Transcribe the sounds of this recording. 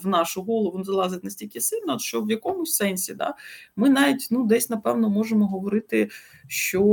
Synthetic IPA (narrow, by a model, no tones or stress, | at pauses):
ʋnɑʃʊɦɔlˠɔʋʊnzɐlˠɑzɪt̪ʲnɐsʲtʲilʲkʲɪsɪlʲnɔʃt͡ʃɔʋjɐkɔmʊsʲsɛnʲsʲid̪ɑ̰mɪnɑʋʲitʲnud̪ɛsʲnɐpɛwnɔmɔʒemɔɦɔʋɔɾɪt̪ɪ | ʃt͡ʃɔ